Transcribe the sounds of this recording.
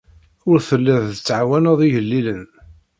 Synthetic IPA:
ʊɾθəlːiðθət͡sːʕawænəðˤiʝəlːilən

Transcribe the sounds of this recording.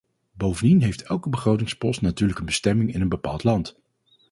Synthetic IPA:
bowvəndinɦejftɛlˠkəbəχrowtɪŋspɔstnatyːɹləkənbəstɛmɪŋɪnənbəpa̰ːlˠtlɑnt

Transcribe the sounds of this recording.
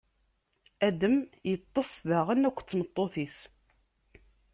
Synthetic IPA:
æd̪əmjət̪ˤːəsˤðəʁənækʷːt͡sːmət̪ˤːoθis

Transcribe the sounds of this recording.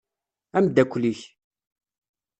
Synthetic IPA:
æmd̪ækʷːliç

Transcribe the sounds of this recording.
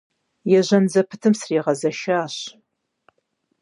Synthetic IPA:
jɛʑɐnd͡zɐpʰɨtʰɨmsriːʁɐzɐʃaːɕ

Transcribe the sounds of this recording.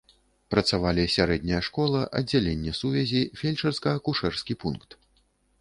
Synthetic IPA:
pɾɐt̪savalʲisʲaɾɛd̪ʲnʲɐjɐʂkɔlˠɐʔɐdd͡zʲːalʲenʲːɛsuvʲɛzʲifʲelʲt͡ʂɐrskɐɐkuʂɛrskʲipunkt̪

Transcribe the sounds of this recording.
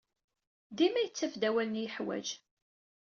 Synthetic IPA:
ðimæjət͡sːæfd̪æwælənjəħwæ̰d͡ʒ

